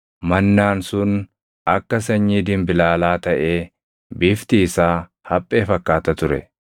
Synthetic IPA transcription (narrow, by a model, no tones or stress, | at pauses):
mɐnːaːnsʊn | ɐkːɐs̬ɐɲːiːd̪ɪmbɪlaːlaːt̪ɐʔe̞ː | bɪft̪iːsaː | hɐpʼːe̞ːfɐkːaːt̪ɐt̪ʊɾɛ̰